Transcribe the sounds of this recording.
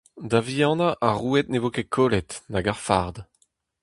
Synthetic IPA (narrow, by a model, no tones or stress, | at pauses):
d̪avijɑ̃ːnaʔaʁuɛt̪̚nevokekʰolɛt̪naɡaʁfaʁd̪